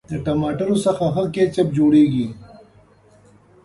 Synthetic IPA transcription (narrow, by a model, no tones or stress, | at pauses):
d̪əʈɐmɑːʈɐɾosɐxaɦɐket͡ʃɐp̚d͡ʒoːɽeːɡi